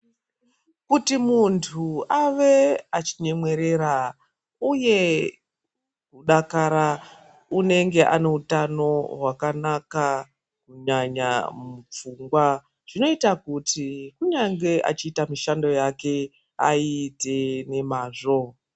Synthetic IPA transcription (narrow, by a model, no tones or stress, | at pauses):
kutimuntʰuaʋe̞at͡ʃiɲe̞mwe̞ɾe̞ɾa | uje̞ | kuɗakaɾa | une̞ŋɡe̞ʔa̰ne̞utano̞ɦwakanaka | kuɲaɲa̰mup͡fuŋɡwa | ʐ̥ino̞itakutikuɲaŋɡe̞ʔa̰t͡ʃiːtamiʃando̞jake̞ | a̰ite̞ne̞maːʐo̞